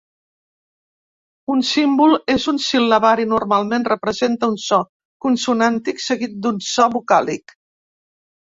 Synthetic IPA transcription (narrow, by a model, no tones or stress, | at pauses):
unsimbulˠezunsilːəβaɾinurmalˠmenrəpɾəzent̪əunsɔ | kunsunant̪iksəɣit̪̚d̪unsɔβukalik